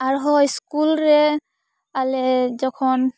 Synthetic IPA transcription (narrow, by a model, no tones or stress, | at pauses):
aɹɦɔjskulɹɛ | alɛzɔkʰɔn